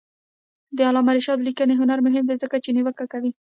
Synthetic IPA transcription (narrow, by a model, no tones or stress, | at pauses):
d̪əalɑmaɾiʃɑd̪likəneɦʊnaɾmʊɦɪmd̪ezəkat͡ʃeniwəkakawi